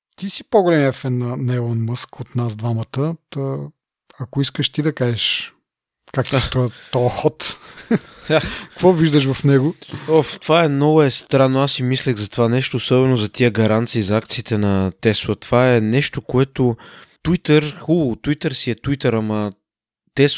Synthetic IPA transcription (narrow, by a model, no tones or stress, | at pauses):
t̪isipoɡolɛmiɐfɛnːɐnɛlˠənmɤskot̪nazd̪vamɐt̪ət̪ə | ɐkʊiskəʃt̪id̪ɐkaʒɛʃ | kakt̪ist̪ɾɔət̪ːɔəxɔt̪ | akvɔviʒd̪əʃ̬vɐfnɛɡoɔft̪ovaɛmnɔɡʊɛst̪ɾanːoasːimislʲəɣzɐt̪ovanɛʃt̪oːsɔbɛnozɐt̪iəɡɐɾant̪siːzɐak̚t̪siːt̪ɛnɐt̪ɛswˠət̪ov̥aɛnɛʃt̪okoɛt̪ot̪wit̪əɾxulˠʊt̪wit̪əɾsiɛt̪uit̪əɾamɐ | t̪ɛs